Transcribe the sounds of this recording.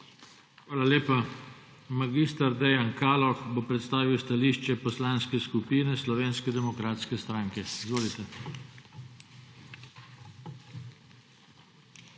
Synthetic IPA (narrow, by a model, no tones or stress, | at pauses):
xʋaːlaleːpa | maɡist̪aɾd̪ɛjankaːlɔxbopɾɛt̪st̪aːʋiwst̪aliːʃt͡ʃɛpɔslaːnskɛskupiːnɛslɔʋeːnskɛd̪ɛmɔkɾaːt̪skɛst̪ɾaŋkɛizʋoːlit̪ɛ